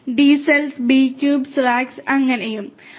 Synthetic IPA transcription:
ɖiːselsbiːkːjuːbsraːksɐŋːɐnejum

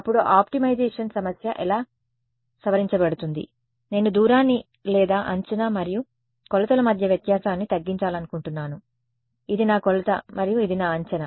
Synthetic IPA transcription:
ɐpːuɽuʔaːpʈimɐjd͡ʒeːʂɐnsɐmɐsjɐ̰ʔɛlaː | sɐʋɐɾiɲt͡ʃɐbɐɽut̪und̪ḭ | ne̞ːnud̪uːɾaːnːi | lɛːd̪aːʔɐ̰ɲt͡ʃɐnamɐɾiju | kɔlɐt̪ɐlɐmɐd̪ʱjɐʋjɐt̪jaːsaːnːit̪ɐɡːiɲt͡ʃaːlɐnukuɳʈunːaːnu | id̪inaːkɔlɐt̪ɐ̰mɐɾijuid̪inaːɐɲt͡ʃɐnɐ

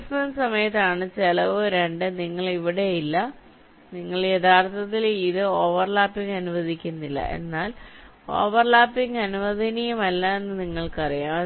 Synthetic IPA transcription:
snɐnsɐmɐjɐt̪ːaːɳɨt͡ɕelɐʋoɾeɳɖɨniŋːɐɭiʋiɽe̞jilːɐ | niŋːɐɭed̪ʰʱaːrt̪ʰɐt̪ːiliðɨo̞ːʋɐrlaːpːiŋɡɐnuʋɐd̪ʱikʲːunːilːɐ̰ʔe̞̰nːaːl | o̞̰ːʋɐrɭaːpːiŋɡɐnuʋɐd̪ʱɐnijumɐlːaenːɨniŋːɐɭkɨɐrijaːm

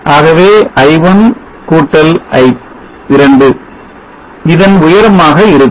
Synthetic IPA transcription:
ʔaːɣɐʋeːʔɐɪʋɐn | kuːʈːɐlʔɐɪp | ɪɾɐɳɖɯ | ɪðɐnʊjɐɾɐmaːɣɐɪɾɯ

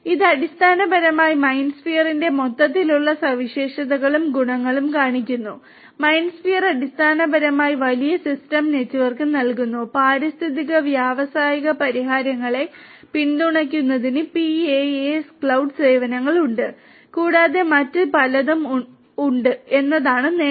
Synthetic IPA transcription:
iðɨɐɽist̪ʰaːnɐbɐɾɐmaːjimɐjnsfijɐrinde̞mo̞t̪ːɐt̪̬ːiluɭːɐsɐʋiɕe̞ːʂɐðɐɣɐɭumɡuɳɐŋːɐɭumkaːɳikʲːunːu | mɐjnsfijɐrɐɽist̪ʰaːnɐbɐɾɐmaːjiʋɐlijɐsistɐmne̞tːuʋɐrkɨnɐlkunːupaːɾist̪ʰiðiɣɐʋjaːʋɐsaːjɐɣɐpɐɾiɦaːɾjɐŋːɐɭe̞ | pind̪uɳɐk̬ʲːunːɐðinɨpieeskɭɐwɖse̞ːʋɐnɐŋːɐɭuɳɖɨ | kuːɽaːðe̞mɐtːɨpɐlɐðɐm | uɳɖɨe̞nːɐðaːɳɨne

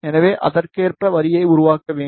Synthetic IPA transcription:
ɛnɐʋeːʔɐ̰ðɐrkeːrprɐʋɐɾɪjɐɪʊɾʊʋaːkːɐʋeː

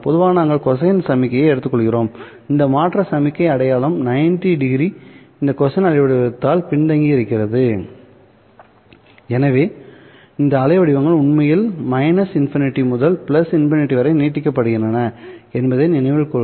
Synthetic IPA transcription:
pɔðɯʋaːnaːŋɡɐɭkɔsɐjɐnsɐmɪkːɐjɐɛɽɯt̪ːɯkːɔɭɣɪɾoːm | ɪnd̪ɐmaːʈrɐsɐmɪkːɐɪɐɽɐjaːɭɯmnɐɪnʈiɖɪɡɾi | ɪnd̪ɐkɔsɐnɐɭɐɪʋɐɽɪʋɐt̪ːaːlpɪɳd̪ɐŋɡiɪɾɯkːɪɾɐðɯ | ɛnɐʋeː | ɪnd̪ɐːɻɐɪʋɐɽɪʋɐŋɡɐɭʊɳmɐjɪlmɐɪnɐsɪnfɪnɪʈːimʊðɐlpɪlɐsɪnfɪnɪʈːiʋɐɾɐɪneːʈːɪkːɐpːɐɽɯɣɪɳdɐnɐɛnbɐðɐɪnɪnɐɪʋɪɭkɔ

